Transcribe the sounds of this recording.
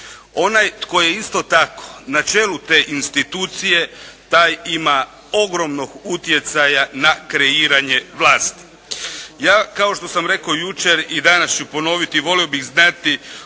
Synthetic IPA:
o̞najko̞jeist̪o̞t̪ako̞̥nat͡ʃeːlut̪e̞ːʔinst̪it̪uːt̪sije̞t̪aːjima | o̞ɡɾo̞mno̞ɡut̪je̞t̪sajanakɾe̞iːɾaɲe̞ʋlˠaːst̪i̥ | jaːkao̞ʃt̪o̞samɾe̞kojut͡ʃeɾid̪anast͡ʃupo̞no̞ʋit̪iʋo̞lio̞biɣznat̪i

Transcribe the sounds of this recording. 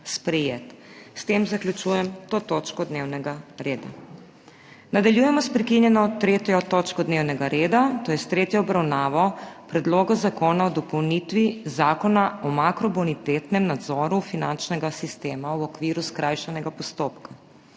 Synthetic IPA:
spɾɛjeːt̪st̪eːmzaklʲjut͡ʃujɛmt̪ot̪ot͡ʃkɔd̪newnɛɡaɾeːd̪a̰ | nad̪aljujɛmɔspɾikinjɛnɔt̪ɾeːt̪jɔt̪oːt͡ʃkɔd̪neːwnɛɡaɾeːd̪at̪oːjɛst̪ɾeːt̪jɔɔbɾawnaːʋɔpɾɛd̪loːɡɔzakoːnaɔd̪ɔpɔwnit̪ʋizaːkɔnaɔmakɾɔbɔnit̪et̪nɛmnad̪zɔːɾufinant͡ʃnɛɡasist̪eːmawɔkʋiːɾuskɾajʃanɛɡapɔst̪oːpka

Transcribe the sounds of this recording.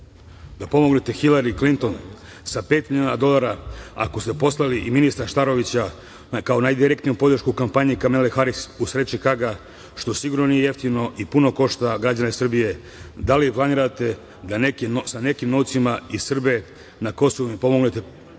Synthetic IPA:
d̪apo̞mo̞ɡne̞t̪e̞xilaɾiklint̪o̞n | sape̞ːt̪miliuːnad̪o̞lˠaɾaa̰ko̞st̪e̞po̞slˠaliʔiminist̪ɾaʃt̪aɾo̞ʋit͡ɕa | kao̞najd̪iɾe̞kt̪niupo̞d̪r̩ʃkukampaɲikamelexaɾisusɾe̞t͡ɕikaɡa | ʃt̪o̞siɡuɾno̞nije̞je̞ft̪imno̞ʔipuno̞ko̞ʃt̪aɡɾad͡ʑaneisr̩bije̞ | d̪aliplˠaniːɾat̪e̞ | d̪anekenosane̞kimno̞wt̪simaisr̩be̞ | nako̞so̞ʋumipo̞mo̞ɡnet̪e̞

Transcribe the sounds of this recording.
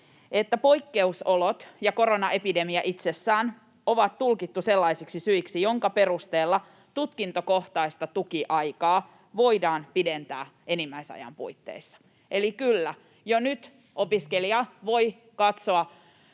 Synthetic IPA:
et̪ːæpoikːe̞usolot̪jɑko̞ɾonɑʔepide̞miæʔit̪sesːæːn | o̞ʋɑt̪t̪ulkit̪ːuselːɑisiksisyiksijo̞ŋkɑpe̞ɾust̪eːlːɑ | t̪ut̪kint̪okoht̪ɑist̪ɑt̪ukiʔɑjkɑː | ʋo̞idɑːnpident̪æ̰ːenimːæisɑ̰jɑ̰mpṵit̪ːḛisːɑ̥ | ʔelikylːæ | jonyt̪ | o̞piskeliɑʋo̞i | kɑt̪soɑ

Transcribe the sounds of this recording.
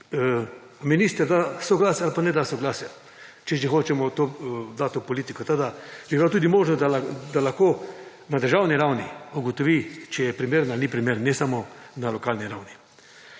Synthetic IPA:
miniːst̪əɾd̪asɔɡlaːsjaalpanɛd̪asɔɡlaːsja | t͡ʃɛʒixoːt͡ʃɛmɔt̪od̪at̪ːopɔliːt̪ikɔt̪ad̪aʒɛbilat̪uːd̪imoːʒnod̪ald̪alaxkoː | nad̪əɾʒawniɾawniuɡɔt̪ɔʋit͡ʃɛjɛpɾimeːɾnalnipɾimeɾnɛsamɔ | nalɔkaːlniɾawni

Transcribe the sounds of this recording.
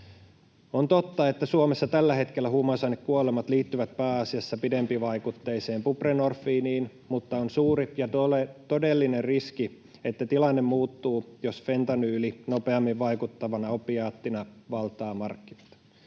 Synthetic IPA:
o̞nt̪o̞t̪ːɑe̞t̪ːæsuomesːɑt̪ælːæɦe̞t̪kelːæhumɑsɑinːekkuolemɑt̪liːt̪ːyʋæt̪̚pæːɑsiɑsːɑpide̞mpiʋɑjkut̪ːe̞ːseːmpuprenorfːiːniːn | mut̪ːɑonsuːɾijɑt̪oet̪o̞delːinerriski | e̞t̪ːæt̪ilɑnːemmuːt̪ːuːjosfe̞nt̪ɑnyːlino̞pe̞ɑmːiʋʋɑjkut̪ːɑʋɑnɑopiɑːt̪ːinɑʋɑlt̪ˑɑːmɑrkːinɑt̪

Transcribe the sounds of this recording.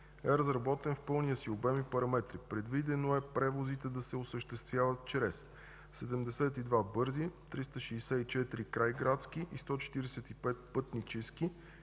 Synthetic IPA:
ɛɾəzɾɐbɔt̪ɛnfpɤlˠnijəsiobɛmipɐɾɐmɛt̪ɾipɾɛd̪vid̪ɛnoɛpɾɛvozit̪ɛd̪ɐsɛosəʃt̪ɛst̪vʲjavət̪̚t͡ʃɾɛsː | ɛd̪ɛmd̪ɛsɛt̪id̪vabɤɾzit̪ɾist̪əʃɛːsɛit͡ʃɛt̪ɾikɾajɡɾat̪sk̟iʔist̪ɔt͡ʃɛ̥t̪iɾɛsɛt̪ipɛt̪̚pɤt̪nit͡ʃɛski

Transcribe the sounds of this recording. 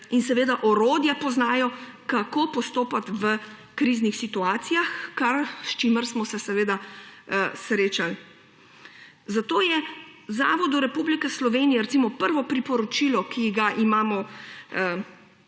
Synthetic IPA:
insɛʋeːd̪aʔɔɾoːd̪japɔznaːjɔkakoːpɔst̪oːpat̪ʋə | kɾiznixsit̪uaːt̪sijaxkaɾst͡ʃiməɾsmɔsɛsɛʋeːd̪a | sɾeːt͡ʃal | zat̪oːjɛzaːʋɔd̪uɾɛpublikɛslɔʋeːnijɛɾɛt̪simɔpəɾʋɔpɾipɔɾɔt͡ʃilɔkʰiɡaʔimaːmɔ

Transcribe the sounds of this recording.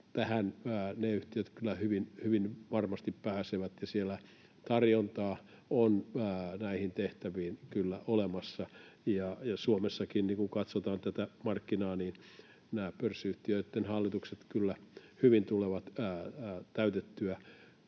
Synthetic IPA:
t̪æhænːneyht̪iøt̪kylːæhyʋinhyʋinʋɑrmɑst̪ippæːseʋæt̪jɑsielæ | t̪ɑrjont̪ɑː | onːnæihint̪eht̪æʋiːnkylːæʔolemɑsːɑjɑjɑsuomesːɑkinniŋkuŋkɑt̪sot̪ɑːnt̪æt̪æmɑrkːinɑːniːn | næːpørsiyht̪iøit̪ːenhɑlːit̪ukset̪kylːæhyʋint̪uleʋɑt̪ː | t̪æyt̪et̪ːyæ

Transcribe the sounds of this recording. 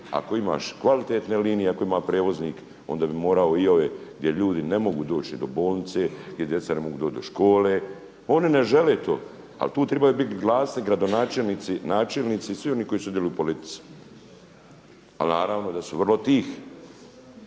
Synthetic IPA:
a̰ko̞ima̰ːʃkʋalit̪eːt̪neliːnijeakoimapɾeːʋo̞zniːk | o̞̰nd̪aːbimo̞ːɾaoioʋeɡd̪jeʎuːd̪inemoɡuːd̪o̞ːt͡ʃid̪obo̞ːlˠnit̪se̞ɡd̪ʲje̞d̪jet̪sanemo̞ɡuːd̪oːt͡ʃd̪o̞ʃko̞ːle | o̞nineʒeleːt̪o̰ː | a̰lt̪uːt̪ɾɛbajubit̪ɡlˠaːsniɡɾad̪onaːt͡ʃelniːt̪sinaːt͡ʃelniːt̪sisʋio̞niːko̞iːsud̪jelujupo̞lit̪i̥t̪su̥ | a̰naːɾaːʋnod̪asuʋrlˠo̞t̪iːx

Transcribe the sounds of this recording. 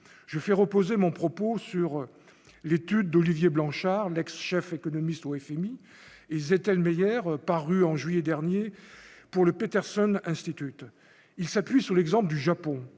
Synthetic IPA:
ʒ̥əfɛʁəpozemɔ̃pχɔposyʁ | let̪yd̪ːɔlivjeblɑ̃ʃaʁlɛksʃɛfekɔnɔmist̪oɛfɛmi | ezet̪ɛlmejɛʁpaʁyɑ̃ʒɥijɛd̪ɛʁnjepuʁləpet̪ɛʁsɔnɛ̃st̪it̪yt̪ | ilsapɥisyʁlɛɡzɑ̃pld̪yʒapɔ̃

